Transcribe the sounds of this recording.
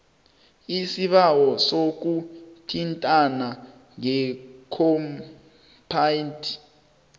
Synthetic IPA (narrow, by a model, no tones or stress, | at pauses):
isiɓawɔsok̬utʰintʼana | ŋɛkʰɔm | pʰaintʰ